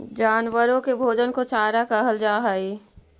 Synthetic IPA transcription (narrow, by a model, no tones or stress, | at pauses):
d͡ʒaːnwəɾõkebʱoːd͡ʒənkot͡ʃaːɾakəɦəld͡ʒaːɦəi